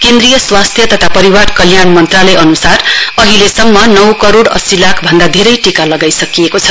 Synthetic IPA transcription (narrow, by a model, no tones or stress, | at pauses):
kẽnd̪rijʌswast̪ʰjʌt̪ʌt̪ʰapʌɾiwarkʌljanmʌnt̪ralʌjʌnusarʌɦilesʌmːʌnʌwkʌɾoɽʌ̰silakʰbʱʌnd̪ad̪ʱeɾʌjʈikalʌɡajsʌkiekot͡sʰʌ̥